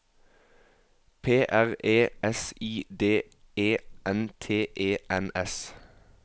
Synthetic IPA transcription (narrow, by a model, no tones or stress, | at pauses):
pʰeːʔæʁeːɛsiːd̪eː | eːɛnt̪ʰeːʔeːʔɛnɛs